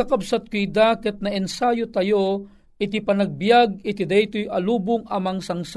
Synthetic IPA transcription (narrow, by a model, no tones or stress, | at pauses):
ɐkɐbsat̪̚kojd̪akɛt̪̚nɐʔɛnsaːjot̪ɐjo | ɪt̪̬ipɐnɐɡ̚bjaɡ̚ɪt̪id̪ajt̪ojʔɐluːbʊŋɐmɐŋsɐŋs